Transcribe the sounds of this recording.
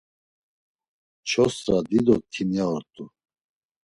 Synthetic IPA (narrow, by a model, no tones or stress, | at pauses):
t͡ʃʰɔsɾad̪id̪ɔt̪ʰinjaɔɾt̪ʼu